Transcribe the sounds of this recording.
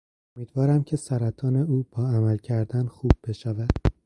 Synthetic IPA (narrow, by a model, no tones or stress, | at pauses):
omiːd̪vɒːɾæmcʰe̞sæɾæt̪ʰɒːneuːb̥ɒːæmælcʰæɾd̪ænxuːb̥̚ːe̞ʃævæd̪̥